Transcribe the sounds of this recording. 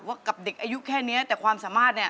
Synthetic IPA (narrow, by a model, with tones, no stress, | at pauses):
waː˧˥˩ka˨˩p̚de˨˩k̚ʔaː˧ju˦˥kʰɛː˥˩ni˦˥ɐt̪ɛː˨˩kʰwaː˧msaː˩˦maː˥˩t̪̚ni˦˥˩